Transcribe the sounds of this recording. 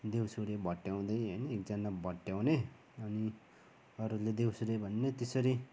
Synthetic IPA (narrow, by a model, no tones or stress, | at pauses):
d̪ewsuɾebʱʌʈːjaw̃d̪ʌjʌjnʌek̚d͡zʌnabʱʌʈjawne | ʌni | ʌɾuled̪ewsuɾebʱʌnːet̪esʌɾi